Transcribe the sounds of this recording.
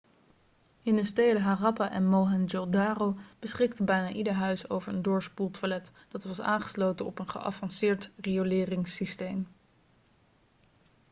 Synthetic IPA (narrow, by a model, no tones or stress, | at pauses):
ɪnəstejdəɦaːrɑpaʔɛnmowɦɛnd͡ʒodaːrowb̥əsχɪktəbɛjnaːʔidəɹɦœɥso̰wvəɹəndʊːɹspulˠtʋalɛt | d̥ɑtʋɑsa̰ːŋχə̥slowtənɔpənχə̰ʔɑ̰fɑnsɪːɹtriolɪːrɪŋsistejm